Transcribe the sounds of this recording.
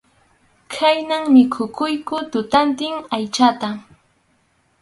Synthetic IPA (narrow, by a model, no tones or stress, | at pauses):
kʰajnaŋmɪkʰʊkʊjkʊt̪ʊt̪ant̪ɪŋajt͡ʃat̪a